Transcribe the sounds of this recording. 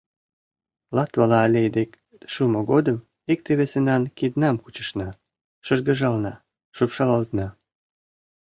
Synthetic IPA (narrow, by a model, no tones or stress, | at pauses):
lɑt̪βɑlɑːlʲejd̪ek | ʃumoɣod̪əm | ik̚t̪eβesenɑnkid̪nɑmkut͡ɕə̥ʃnɑ | ʃəʒɣə̆ʒɑlnɑ | ʃupʃɑlɑlt̪nɑ